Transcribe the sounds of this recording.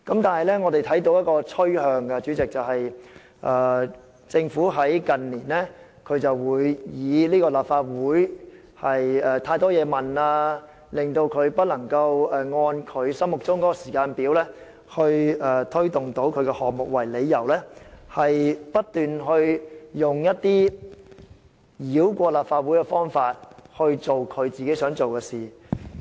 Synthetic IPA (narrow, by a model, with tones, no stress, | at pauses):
kɐ˨˥mt̪aː˨nhɐ˨˩jlɛː˥ŋɔ˨˧t̪e˨jt̪ʰɐ˨˥jt̪o˨˥wjɐ˥t̚kɔː˧t͡sʰɵ˥ɥhœː˧ŋkɛ˧t͡ʃyː˨˥t͡sɪ˨k̚t͡sɐ˨wɦɐ˨j | ʔaː˨˩ | t͡sɪ˧ŋfuː˨˥ɦɐ˨˥jkɐ˨nliː˨˩nlɛː˥ | kʰɵ˨˧ɥt͡sɐ˨wːuː˨˧jjiː˨˧liː˥kɔː˧laː˨p̚faː˧t̚wuː˨˥j | hɐ˨jɛː˨˩t̪ʰaː˧jt̪ɔː˥jɛː˨˧mɐ˨naː˧ | lɪ˨ŋt̪o˧wkʰɵ˨˧ɥpɐ˥t̚lɐ˨˩ŋkɐ˧wɛː˨ŋɔː˧nkʰɵ˨˧ɥsɐ˥mʊ˨k̚t͡sʊ˥ŋkɔː˨˥kɔ˧siː˨˩kaː˧npiː˨˥wlɛː˥ | hɵ˧ɥɛː˧t̪ʰɵ˥ɥt̪ʊ˨˩ŋt̪o˨˥wkʰɵ˨˧ɥkɛː˧hɔː˨k̚mʊ˨k̚wɐ˨˩jle˨˧jːɐ˨˩wlɛː˥hɐ˨jpɐ˥t̚t̪yː˨nɦɵ˧ɥjʊ˨˩ŋjɐ˥t̚t̪iː˥ | jiː˨˥wkʷɔː˧laː˨p̚faː˧t̚wu˨˥jkɛ˧fɔː˥ŋfaː˧t̚hɵ˧ɥt͡so˨wkʰɵ˨˧ɥt͡siː˨ke˨˥jsœː˨˥ŋt͡so˨wkɛː˧siː˨˩